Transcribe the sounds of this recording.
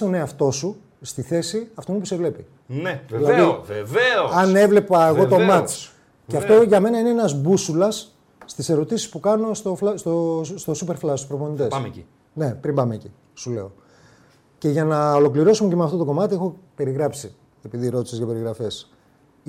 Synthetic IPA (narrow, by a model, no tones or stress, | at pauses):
t̪o̞neɐft̪o̞su | st̪iθe̞siɐft̪oinepusevle̞pi | ilɐðivɐne̞vle̞pɐeɣo̞t̪o̞mɐs | ceɐft̪o̞ʝɐme̞nɐineenɐzbusulɐsː | t̪ise̞ɾo̞t̪isi̥spukɐno̞st̪oflɐst̪ost̪o̞supeɾflɐst̪uspɾoponit̪es | ne̞pɾimbɐmeːci | sule̞̰o | ce̞ʝɐnɐolo̞kliɾo̞sumecemeɐft̪o̞t̪o̞ko̞mɐt̪ie̞xope̞ɾiɣɾɐpsi | e̞piðiɾo̞t̪i̥sezʝɐpe̞ɾiɣɾɐfe̞s